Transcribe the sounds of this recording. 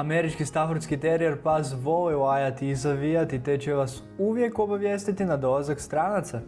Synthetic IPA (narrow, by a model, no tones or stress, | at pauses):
ameɾit͡ʃkist̪afoɾt̪skit̪eɾieɾpazʋo̞liajat̪iːzaʋijat̪it̪et͡ɕeʋas | uʋje̞ko̞baʋje̞ːst̪it̪inad̪o̞lˠazakst̪ɾaːnat̪sa